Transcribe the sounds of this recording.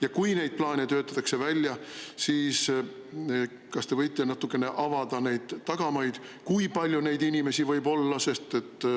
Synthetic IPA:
jɑkujne̞jd̪̥̚plɑːnʲet̪ø̞ːt̪ˑːɑt̪ːˑɑkse̞vælʲjɑsiːs | kɑst̪e̞vɤjt̪ːˑenɑt̪ːukːˑe̞ne̞ʔɑvɑd̪̥ɑne̞jd̪̥ːɑɡ̥ɑmɑjd̪̥kujpɑlʲjune̞jd̪inʲime̞sivɤjbo̞lːɑse̞st̪e̞t̪ːˑ

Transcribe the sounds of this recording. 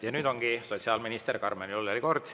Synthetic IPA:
jɑnyːd̪o̞ŋɡ̥iso̞tʲsiɑlminist̪erkɑrmenioleliko̞rd̪̥

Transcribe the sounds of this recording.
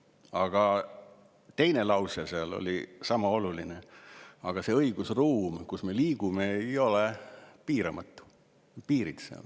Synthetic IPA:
ɑɡ̥ɑ | t̪e̞jne̞lɑwseseɑlo̰lʲisɑmɑo̞lulineɑɡ̥ɑse̞ɤjɡ̥usruːmkusme̞liːɡ̥umeejo̞lepiːɾɑmɑt̪ːˑu̥ | piːɾit̪sḛɑ̰l

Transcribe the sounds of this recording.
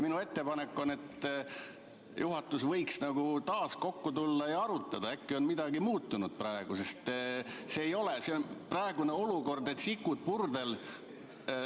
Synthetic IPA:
minue̞t̪ːe̞pɑnekːˑo̞ne̞t̪ː | jʔuɦɑt̪ːˑusvɤjksnɑɡ̥ut̪ɑːsko̞kːut̪ulːɑejɑɑɾut̪ːˑɑd̪ɑekːio̞nmid̪̥ɑɡimuːt̪ːunud̪̥̚prɑe̞ɡ̥usest̪seːjo̞le̞se̞onprɑe̞ɡ̥une̞o̞luko̞rd̪e̞t̪sikːˑud̪̥̚purd̪e̞l

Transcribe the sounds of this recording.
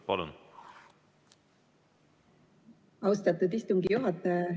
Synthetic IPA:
pɑlṵn | ɑwst̪ɑt̪ːˑud̪ist̪uŋɡijuɦɑt̪ːˑɑ

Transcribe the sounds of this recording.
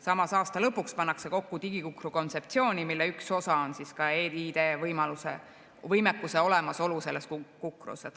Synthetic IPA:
sɑmɑsɑːst̪ɑlɤpːˑukspɑnːɑkse̞ko̞kːut̪iɡ̥ikukruko̞nt̪se̞p̚t̪sio̞ːnʲimilːeykso̞sɑonsiskɑeːid̪evɤjmɑlusḛ | vɤjmekːˑuse̞o̞lemɑso̞luse̞lːeskkukrṵset̪

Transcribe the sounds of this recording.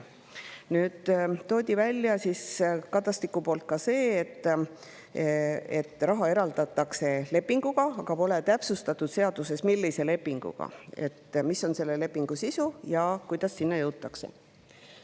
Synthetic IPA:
nyːd̪̥t̪o̞ːd̪ʲivælʲːjɑsiskɑd̪ˑɑst̪ikːˑupo̞ːlt̪̚kɑse̞ːet̪ːˑ | e̞̰t̪ːˑrɑɦɑe̞ɾɑld̪̥ɑt̪ːˑɑkse̞le̞pːiŋɡ̥uɡ̥ɑɑɡ̥ɑpo̞le̞t̪æpsust̪ɑt̪ːˑud̪̥se̞ɑd̪̥use̞smilːise̞le̞pːiŋɡ̥ṵɡ̥ɑ̰e̞̰t̪ːˑmiso̞nse̞lːe̞le̞pːiŋɡ̥usisujɑkujd̪̥ɑsːinːɑjɤwt̪ːˑɑkse̞̰

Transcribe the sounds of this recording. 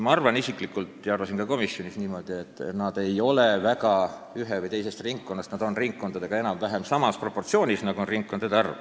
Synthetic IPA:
mɑɑrvɑnisikˑlikːˑult̪jɑɑrvɑsiŋkɑko̞misːjo̞nisniːmo̞d̪̥ie̞t̪ːˑnɑd̪̥e̞jo̞levækɑyɦevɯjt̪e̞jse̞st̪riŋkːo̞nːɑst̪nɑd̪̥o̞nriŋkːo̞nd̪ɑd̪e̞ɡ̥ɑenɑmvæɦemsɑmɑspro̞pːort̪sio̞ːnʲisnɑɡuonriŋkkːod̪ɑd̪eɑrv

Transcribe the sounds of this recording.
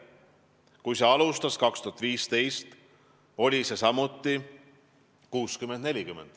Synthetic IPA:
kujse̞ɑlust̪ɑskɑkst̪uɦɑt̪viːst̪e̞jst̪ | o̞lʲise̞sɑmut̪ˑːi | kuːskymend̪nelʲikymend̪̥

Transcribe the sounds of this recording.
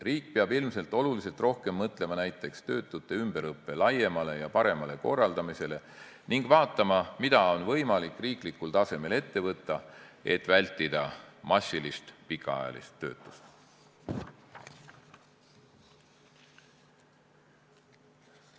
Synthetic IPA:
riːk̚peɑbilmse̞lt̪ːˑo̞lulise̞lt̪ˑro̞hke̞mːɤt̪ˑle̞mɑnæjt̪ˑːe̞kst̪ø̞ːt̪ːˑut̪ːˑe̞ymb̥eɾɤpːe̞lɑje̞mɑle̞jɑpɑɾe̞mɑle̞ko̞̰rːɑld̪̥ɑmise̞le̞ | niŋɡ̥vɑːt̪ːˑɑmɑmid̪̥ɑo̞nvɤ̞jmɑlikːriːklikult̪ɑse̞me̞le̞t̪ːe̞vɤt̪ːˑɑe̞̰t̪ːˑvælʲt̪ːˑid̪̥ɑmɑsːilist̪pikːˑɑɑ̰jɑ̰lḭst̪ːø̞̰ːt̪ːˑu̥st̪

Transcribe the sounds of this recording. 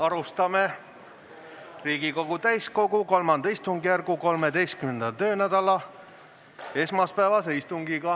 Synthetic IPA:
ɑɾust̪ɑme | riːɡiko̞ɡ̥ut̪æjsko̞ɡuko̞lmɑnd̪ɑist̪uŋɡijærɡ̥uko̞lme̞d̪e̞jst̪kymnend̪ɑt̪ø̞ːnæd̪̥ɑlɑ | e̞smɑspæːvɑseist̪uŋɡiɡ̥ɑ

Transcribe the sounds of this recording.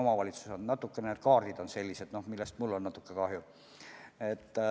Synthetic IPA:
omɑvɑlʲit̪su̥sonnɑt̪ːˑukːeneet̪̚kɑːrd̪̥id̪o̞nse̞lʲːise̞d̪no̞hmilːest̪mulːo̞nnɑt̪ːˑukːˑekɑhju | et̪ː

